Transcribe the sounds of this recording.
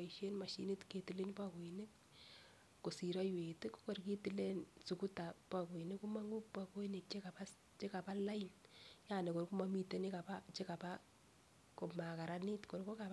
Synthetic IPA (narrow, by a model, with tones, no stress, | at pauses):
aiʃe˦nma˨ʃḭ˨ni˦tke˨ti˨le˦npa˦ko˨ini˦kː | o˨si˨ɾɔ˦jwe˨tɪ˦kko˨rki˦ti˨le˦nsu˨kuta˨pa˨ko˨i˨nɪ˦ku˦ma˦ŋɡu˦pako˦i˦ni˨k̚t͡ʃe˦kapa˦ | t͡ʃe˦ka˨pa˦la˦injane˨ko˨ɾku˦ma˦mi˦te˦ni˦ka˨pa˦t͡ʃe˦ka˨pa˦ | ko˨ma˨ka˨ɾani˦tko˨ɾko˦kap